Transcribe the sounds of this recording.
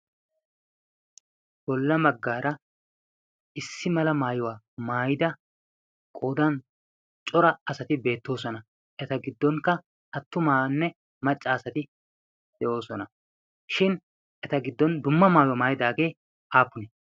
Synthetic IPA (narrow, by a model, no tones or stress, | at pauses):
b̥ɔlːɐmɐɡːaːɾɐ | ʔɪsːɪmɐlɐmaːjʊwaː | maːjɪd̪ɐ | kʼoːd̪ɐn | t͡ʃʼɔɾɐɐsɐt̪ɪbe̞ːt̪ːo̞ːsɔnɐ | ʔɛt̪ɐɡɪd̪ːɔŋkːɐ | ʔɐt̪ːʊmaːnːɛ | mɐt͡ʃʼːɐːsɐt̪ɪ | d̪̥ɛʔo̞ːsɔnɐ | ʃɪn | ʔɛt̪ɐɡɪd̪ːɔnd̪ʊmːɐmaːjwamaːjɪd̪aːɡe̞ː | ʔaːpːʊnɛ